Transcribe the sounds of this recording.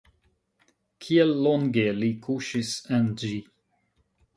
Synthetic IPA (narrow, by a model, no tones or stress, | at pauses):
kʰiɛlːɔ̃ŋɡelikʰuʃɪsɛ̃nd͡ʒi